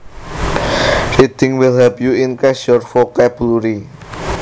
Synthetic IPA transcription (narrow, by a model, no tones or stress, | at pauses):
rid̪̥ɪŋwɪlhɛpjuɪnkɛsɔrfokɛb̥uluɾi